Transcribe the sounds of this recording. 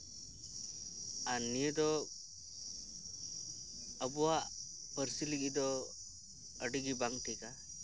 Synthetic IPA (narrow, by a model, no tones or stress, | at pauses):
anːijəd̪ɔ | əbɔwaʔ | pəɾsiliɡid̪ɔ | əɖiɡibaŋʈʰika